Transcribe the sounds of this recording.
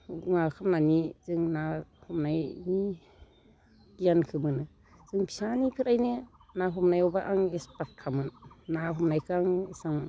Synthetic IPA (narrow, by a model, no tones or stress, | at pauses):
ŋakʰamnaniz̥ɯŋnahɔmnajni | kijankʰɯmɯnɯ | z̥ɯŋpʰisanipʰiɾajnɯnaɦɔmnajɔwbaʔaŋespat̚kʰamɯnːaɦɔmnajkʰaŋisaŋ